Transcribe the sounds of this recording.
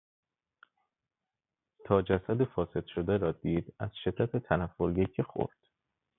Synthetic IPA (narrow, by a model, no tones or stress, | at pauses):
t̪ʰɒːd͡ʒæsæd̪efɒːse̞d̪̥ʃo̞d̪æɾɒːd̪iːd̪æz̥ʃe̞d̪̥ːæt̪et̪ʰænæfːoljecʰexo̰ɾd̪̥